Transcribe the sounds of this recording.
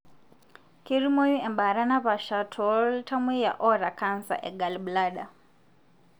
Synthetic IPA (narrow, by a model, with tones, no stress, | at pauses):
ki˦ɾi˦mɔ˦ju˦ɛ˨mba˨ɾa˦na˦βa˨ʃatʰɔltʰa˦mi˦ja̰˨ʔɔ˦ɾa˨kʰansa̰˨ʔɛ˨ɡa˨lblaɗa˨